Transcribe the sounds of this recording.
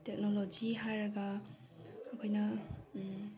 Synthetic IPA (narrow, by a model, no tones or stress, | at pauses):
tek̚nolod͡ʒiɦaɾɐɡaː | kʰojnɐ